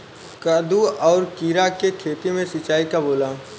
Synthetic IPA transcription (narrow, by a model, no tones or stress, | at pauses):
kaːd̪uɔːɾkiːɾakekʰeːt̪imẽsɪt͡ʃaːikaboːla